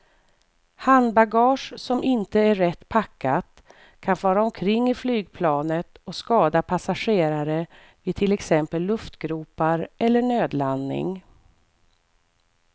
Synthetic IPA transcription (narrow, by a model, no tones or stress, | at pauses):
hand̪baɡɑːʂsɔmɪnt̪əæːɛt̪ːpʰakːat̪ | kʰanfɑːɾaɔmkʰɾɪŋːɪflyːɡ̚pʰlɑːnət̪ɔskɑːd̪apʰasaʂeːɾaɾə | vɪt̪ʰɪlɛksɛmpəlːɵft̪ɡɾuːpaɾʔɛlːəɳøːd̪lannɪ̰ŋ